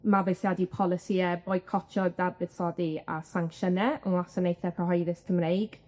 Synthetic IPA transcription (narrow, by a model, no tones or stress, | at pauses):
mabejsjadipʰɔlˠɪsiɛboːɨ̥kʰɔt͡ʃʰɔdarbɪð̥sɔdia̰saŋkʃənɛənlasənejθɛpʰəɦɔjðɪstʰəmɾejɡ̥